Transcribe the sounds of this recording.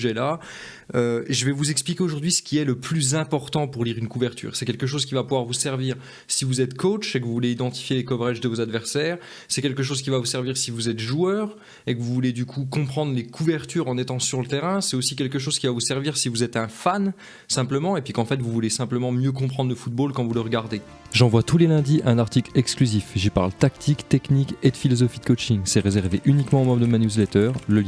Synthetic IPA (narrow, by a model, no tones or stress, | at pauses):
ʒɛla | øʒəvɛvuzɛksplikʲeoʒuʁd̪ɥisə̥kʲiɛləplyzɛ̃pɔʁt̪ɑ̃puʁliʁynkuvɛʁt̪ʰy̰ːʁsɛkʲɛlkəʃ̬ozkʲivapuvwaʁvusɛʁviːʁ | sivuzɛt̪kot͡ʃekəvuvuleid̪ɑ̃t̪i̥fjelekɔvʁɛʒd̪əvozad̪vɛʁsɛːʁ | sɛkʲɛlkəʃ̬ozkʲivavusɛʁviʁsivuzɛt̪ʒuœːʁ | ekəvuvuled̪ykʰukɔ̃pχɑ̃d̪ʁlekʰuvɛʁt̪yʁɑ̃net̪ɑ̃syʁlət̪eʁɛ̃sɛt̪osik̬ʲɛlk̬əʃ̬oz̥kʲivavusɛʁviʁsivuzɛt̪ɛ̃fan | sɛ̃pləmɑ̃epɥikɑ̃fɛt̪vuvulesɛ̃pləmɑ̃mjøk̬ɔ̃pχɑ̃d̪ʁləfut̪̚bolkɑ̃vuləʁəɡaʁd̪e | ʒɑ̃vwat̪ulelɛ̃d̪iʔɛ̃naʁt̪iklɛksklyzifʒipa̰ʁlt̪akt̪ʰikt̪ɛkniked̪əfilɔzɔfid̪əkot͡ʃiŋsɛʁezɛʁveʔynikmɑ̃omɔmd̪əmanjuzlɛt̪œːʁləl